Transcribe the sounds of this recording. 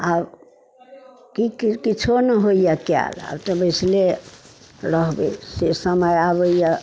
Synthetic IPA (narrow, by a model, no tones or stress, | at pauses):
ab | kikikit͡ʃʰonəɦoijakja̰la̰bt̪ɔbəsʰle | ɾəɦbḛsesəməjabəija